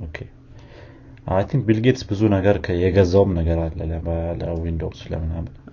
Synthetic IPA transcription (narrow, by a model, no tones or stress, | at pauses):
ʔokʰe | ʔa̰jt̪ʰĩŋk̚bilɡet̪sbɨzunəɡəɾkʰəjɛɡəzawɨmnəɡəɾalːələbələwind̪oslə̰mɨnamɨn